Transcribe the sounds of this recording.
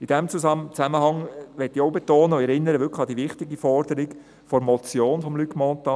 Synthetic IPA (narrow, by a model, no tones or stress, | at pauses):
ɪd̥ɛmt͡sust͡sæməhɑŋʋɛtːioʊbetoːnəɛɾɪnːəɾəʋʏkləɑd̥iʋɪχtɪɡifɔrdəɾɪɡ | fɔɾmɔt͡sjoːnfɔmlykmɔntɑ